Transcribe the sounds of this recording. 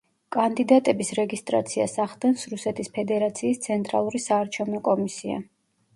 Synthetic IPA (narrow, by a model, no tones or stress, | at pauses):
kʼand̪id̪at̪ʼɛbisɾɛɡist̪ʼɾa̰t̪sʰia̰saχd̪ɛnsɾusɛt̪ʰispʰɛd̪ɛɾat̪sʰiːst̪sʰɛnt̪ʼɾa̰lˠuɾisaːɾt͡ʃʰɛvnɔkʼɔmisia̰